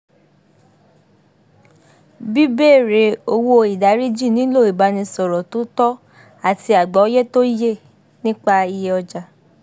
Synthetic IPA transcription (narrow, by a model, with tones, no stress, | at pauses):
bi˦beː˦˨ɾe˨˦o˧wo˧i˨da˨˦ɾi˦d͡ʒi˦˨nĩ˨˦lo˦˨i˨ba˧nĩ˧sɔ˨ɾɔ˨to˨˦tɔ˦ | a˦˨ti˧a˨ɡ͡bɔ˨˦jɛ˦to˦je˦˨ | nĩ˦k͡pa˧i˧je˧ɔ˧d͡ʒa˧